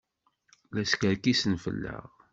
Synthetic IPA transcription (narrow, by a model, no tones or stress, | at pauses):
læskəɾkisənfə̰lːə̰ʁ